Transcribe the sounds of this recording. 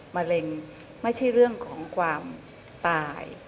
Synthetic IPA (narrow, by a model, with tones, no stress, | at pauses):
ma˧le˧ŋ | ma˥˩jt͡ɕʰa˥˩jɾɯ˥˩əŋkʰɔː˩˦ŋkʰwaː˧m | t̪aː˧j